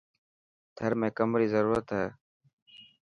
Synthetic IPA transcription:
t̪ʰəɾmẽːkəmɾiːzəɾuːɾət̪ɦɛː

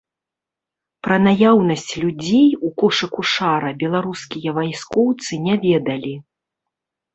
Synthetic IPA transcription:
pɾɐnajawnɐsʲt͡sʲlʲud͡zʲejukɔʂɨkuʂaɾɐbʲɛlˠaɾuskʲijɐvajskɔwt̪sɨnʲavʲɛd̪ɐlʲi

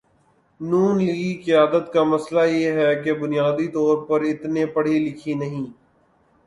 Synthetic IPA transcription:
nuːnliikɪjaːd̪ət̪kamɐslajeɦɛkebʊnɪjaːd̪it̪ɔːɾpɐɾɪt̪nepɐɽ̤ilɪkʰinɐɦĩː

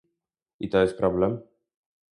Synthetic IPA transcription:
it̪ɔɛspɾɔblɛm

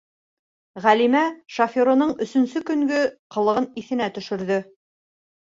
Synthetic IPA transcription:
ʁælimæʃɐfʲoɾŏnɤɴɵ̆sɵ̆nsɵkɵ̆ŋɡɵqɤ̆lˠɤ̆ʁɤniθɘ̆næt̪ɵ̆ʃɵ̆ɾðɵ

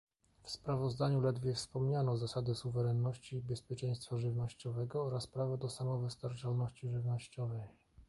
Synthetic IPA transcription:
fspɾavɔzd̪aɲulɛd̪vʲjɛfspɔmɲanɔzasad̪ɘsuvɛɾɛnːɔɕt͡ɕiːbɛspʲjɛt͡ʂɛj̃st̪faʐɘvnɔɕt͡ɕɔvɛɡɔɔɾaspɾavɛd̪ɔsamɔvɘst̪aɾt͡ʂalnɔɕt͡ɕiʐɘvnɔɕt͡ɕɔvɛj

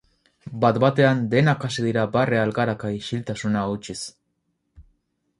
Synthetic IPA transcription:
bat̪bat̪e̞and̪e̞nakasiðiɾabarealkaɾakaiʃilt̪asunaut͡ʃis

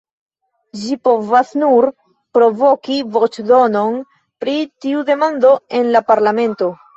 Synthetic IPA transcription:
d͡ʒipo̞vasnuɾ | pɾo̞vo̞kivo̞t͡ʃdo̞no̞n | pɾitiude̞mando̞e̞nlapaɾlame̞nto̞

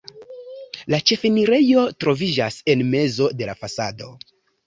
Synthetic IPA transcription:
lat͡ʃe̞feniɾe̞jo̞tɾo̞vid͡ʒase̞nme̞zo̞de̞lafasado̞̰

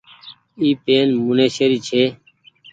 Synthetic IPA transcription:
iːpeːnmuneːʃeɾiːt͡ʃʰeː

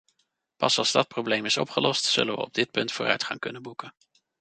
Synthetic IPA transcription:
pɑsɑlˠzdɑt̚prowblejmɪsɔ̰pχəlɔstsɵ̰lənʋə̰ɔ̰b̚dɪt̚pɵntfʊːrœ̰ɥtχɑ̰ŋkɵnənbukən

